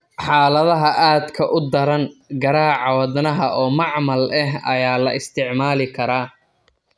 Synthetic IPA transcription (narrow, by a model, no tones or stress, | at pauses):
ħɑːlɐðɐɦɐʔaːd̪kʰɐʔʊd̪ɐɾɐnɡɐɾaːʕɑwɐðnɐɦɐʔɔːmɑʕmɐlɛɦɐ̰jaːlɐʔɪst̪ʰɪʕmaːlɪkʰɐɾaː